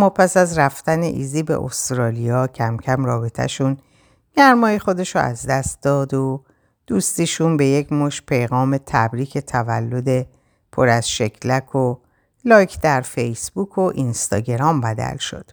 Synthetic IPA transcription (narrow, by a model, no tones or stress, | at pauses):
mːɒːpʰæsæzɾæft̪ænḛʔḭːziːbe̞̰ʔo̰st̪ɾɒːlijɒːcʰæmcʰæmrɒːbet̪ʰæ̰ʃun | ɡ̥æɾmɒːjexo̞d̪e̞ʃoæ̰zd̪æst̪̚d̪ɒːd̪o | d̪̥uːst̪iʃuːnbe̞jecʰmoʃpʰe̞jɣɒːme̞t̪ʰæbɾiːkʰe̞t̪ʰævæ̰lːo̞d̪e̞ | pʰo̞ɾæz̥ʃe̞cʰlækʰo | lɒːjcʰd̪æɾfejsb̥uːkʰo̞ʔinst̪ɒ̰ːɟe̞ɾɒːmbæd̪æ̰lʃo̞̰d̪̥